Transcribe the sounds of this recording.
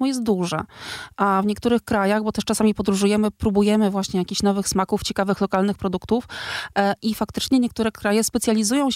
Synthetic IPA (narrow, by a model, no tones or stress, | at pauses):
mɔjɛst̪̚d̪uʐɛʔavɲɛk̚t̪uɾɘxkɾajaɣbɔt̪ɛʂt͡ʂasamʲipɔd̪ɾuʐujɛmɘpɾubujɛmɘvwaɕɲɛjakʲiɕnɔvɘxsmakuft͡ɕɛkavɘxlɔkalnɘxpɾɔd̪ukt̪uf | ʔifakt̪ɘ̥t͡ʂɲɛɲɛkt̪uɾɛkɾajɛspɛt̪sʲjalʲizujɔ̃w̃